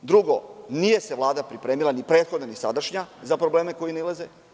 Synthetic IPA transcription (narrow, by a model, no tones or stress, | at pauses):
d̪ɾuɡo̞nije̞se̞ʋlˠaːd̪apɾipɾe̞ːmilˠanipɾe̞ːt̪xo̞d̪nanisa̰d̪aʃɲazapɾoble̞ːmeko̞jinelˠeze